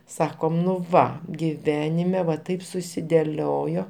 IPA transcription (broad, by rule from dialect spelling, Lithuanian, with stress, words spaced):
ˈsɑːkoːm nʊ ˈʋɐ ɡʲɪˈʋʲæːnʲɪmʲɛ ʋɐ ˈtɐɪp sʊsʲɪdʲɛˈlʲoːjoː